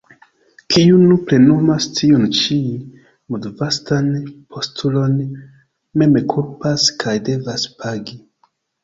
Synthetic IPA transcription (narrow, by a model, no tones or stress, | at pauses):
kʰiunuple̞numastʰiunt͡ʃi | mudvastanpʰo̞stʰulo̞n | me̞mekʰuɾpaskʰajde̞vaspʰaɡi